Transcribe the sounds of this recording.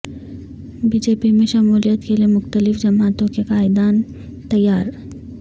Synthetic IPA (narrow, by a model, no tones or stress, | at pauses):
biːd͡ʒeːpimẽʃɐmuːlijət̪kelijemʊxt̪əlɪfd͡ʑɐmaːt̪õkekaːɪd̪aːn | t̪ɐjːaːɾ